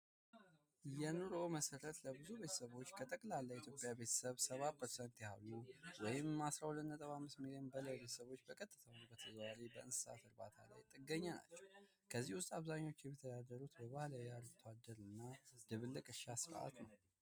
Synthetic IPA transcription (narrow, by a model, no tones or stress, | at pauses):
jɛnɨɾo̞məsəɾət̪ləbɨzube̞t̪ʰəsəβo̞t͡ʃːkʰət̪ʼəkʼlalːaʔɪt̪ʰjo̞pʼjabe̞t̪ʰə̥səβsəβapəɾsənt̪jha̰lːuwɔjɪmːasɾawlɨnːət̪ʼəβamːɨsmiliənbələjbet̪ʰə̥səβo̞t͡ʃːbəkʼət̪ʼːɨt̪ʰəwbət̪ʰəzwaɾebəʔɨnsɨsa̰fɨɾbat̪ʰa̰la̰jt̪ʼɨɡːəɲːana̰t͡ʃːɛw | kʰəzːihwʊst̪ʼaβzaɲːaot͡ʃːjɛmɛt̪ʰəd̪ad̪əɾut̪bəβahlaaɾt̪ʰwad̪əɾɨnːad̪ɨβɨlːɨkʼɨʃasɨɾə̰ʔa̰t̪nəw